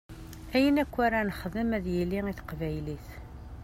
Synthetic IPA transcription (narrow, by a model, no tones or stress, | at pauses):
æjənækʷːæɾanəχəðəmæðjilːiŋiθə̥qvæjliθ